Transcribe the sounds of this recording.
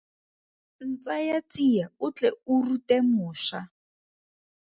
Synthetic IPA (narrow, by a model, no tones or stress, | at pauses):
n̩t͡sajat͡sijaʊt͡ɬɛurutemʊːʃa